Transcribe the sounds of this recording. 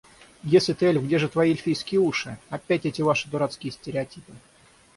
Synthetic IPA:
jesʲlʲɪt̪elʲvɡdʲeʐɨt̪vɐilʲfʲijskʲɪjəuʂɨɐpʲːætʲɛtʲɪvaʂɨ̥d̪ʊɾat̪skʲɪjəsʲtʲɪɾʲɪɐtʲipɨ

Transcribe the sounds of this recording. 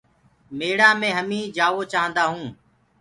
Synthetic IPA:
meːɽaːmẽːɦəmĩːd͡ʒaːʋoːt͡ʃaːənd̪aːɦũː

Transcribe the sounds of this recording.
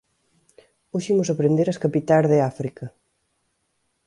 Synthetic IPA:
oʃimʊsɐpɾend̪eɾɐskapit̪azðeafɾikɐ

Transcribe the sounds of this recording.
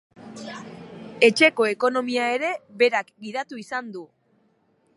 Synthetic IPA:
e̞t͡ʃe̞ko̞e̞ko̞no̞miae̞ɾe̞βe̞ɾakɡiðat̪uisand̪u

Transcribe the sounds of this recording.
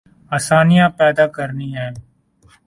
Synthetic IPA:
aːsaːnijãpɛːd̪akəɾniɦɛ̃ː

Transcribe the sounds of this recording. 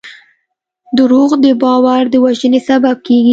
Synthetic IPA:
d̪əɾoɣd̪əbɑwaɾd̪əwaʒənesabab̚keɡi

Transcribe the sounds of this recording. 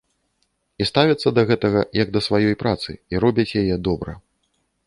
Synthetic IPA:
ist̪avʲɐt̪sːɐd̪ɐɣɛt̪ɐɣɐjɐɡ̚d̪ɐsvajɔjpɾat̪sɨ̰iɾɔbʲɐt͡sʲjajɛd̪ɔbɾɐ̰

